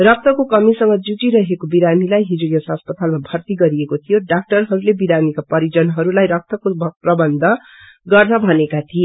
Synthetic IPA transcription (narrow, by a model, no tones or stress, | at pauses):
rʌk̚t̪ʰʌkokʌmisʌŋɡʌd͡zud͡ziɾʌɦekobiɾanilajɦid͡zujʌsɦʌspʌt̪almabʱʌrt̪iɡʌɾiekot̪ʰijoɖak̚ʈʌrɦʌɾulebiɾanikapʌɾid͡zʌnɦʌɾulajɾʌk̚t̪ʰʌkoprʌbʌnd̪ʱʌ | ɡʌrnʌbʱʌnekat̪ʰie